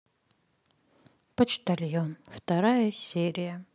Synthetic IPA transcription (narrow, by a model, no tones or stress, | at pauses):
pɐt͡ʃt̪ɐlʲjonft̪ɐɾajɐsʲeɾʲɪjɐ